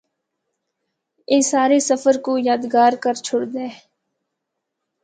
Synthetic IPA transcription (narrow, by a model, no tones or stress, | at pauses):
ɪːsaːɾesəfəɾkoːjaːd̪ɡaːɾkəɾt͡ʃʰʊɽd̪ẽː